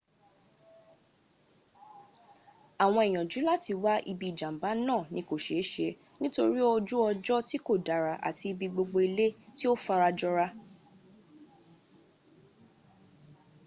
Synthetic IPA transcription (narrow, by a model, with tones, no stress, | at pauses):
a˨w̃ɔ̃˧ɛ˨j̃ɔ̃˨d͡ʒu˨˦la˦ti˧wa˦ʔḭ˧bi˧˨d͡ʒã˨m̩˨ba˨˦nãː˦˨nĩ˧ko˨ʃe˨˦ʃe˧ | nĩ˦to˧ɾi˦ɔ˧d͡ʒu˦ɔ˧d͡ʒɔ˦ti˦ko˦˨da˨ɾa˨ʔa̰˨ti˧i˧bi˧ɡ͡bo˧ɡ͡bo˧i˧le˦ti˦o˦fa˧ɾa˧d͡ʒɔ˦ɾa˧